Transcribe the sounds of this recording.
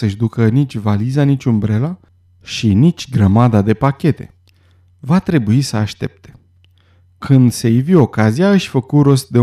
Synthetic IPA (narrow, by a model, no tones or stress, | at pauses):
səʃd̪ukənit͡ʃʲvalizanit͡ʃʲumbɾe̞la | ʃinit͡ʃʲɡɾəmad̪ad̪e̞pakʲe̞t̪e̞̰ | vat̪ɾe̞buisəaʃt̪e̞̰p̚t̪ʰe̞̥ | kʰɨnd̪sejvio̞kazijaɨʃʲfəkuɾo̞st̪̚d̪e